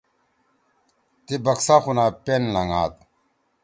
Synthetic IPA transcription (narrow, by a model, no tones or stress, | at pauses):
t̪ibɐksaxunaːpenlɐŋa̰ːt̪̚